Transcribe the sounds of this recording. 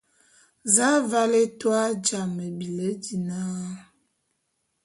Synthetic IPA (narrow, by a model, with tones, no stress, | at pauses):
za˦va˦le˦twa˦d͡ʒa˨mə˨bi˨lə˦di˨na˦